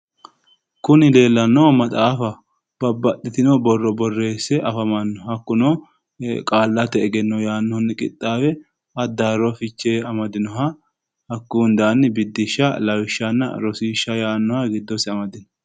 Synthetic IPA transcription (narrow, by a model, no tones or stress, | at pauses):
kʊnɪle̞ːlːɐnːoːmɐt̪ʼaːfɐ | b̥ɐbːɐt̪ʼːɪt̪ɪnɔbɔrːɔbɔrːe̞ːsɛʔɐfɐmɐnːɔhɐkːʊnoː | kʼaːlːɐt̪ːɛːɡɛnːɔjaːnːɔnːkʼɪ̰t̪ʼːaːwɛ | ɐd̪ːaɾɔfɪt͡ʃːeːɐmɐd̪ɪnɔɦɐ | hɐkːuːnd̪aːnːɪbɪd̪ːɪʃːɐlɐwɪʃːɐnːɐ̰ɾɔsiːʃːɐjaːnːɔhɐɡɪd̪ːɔsɪɐmɐd̪ɪnɔ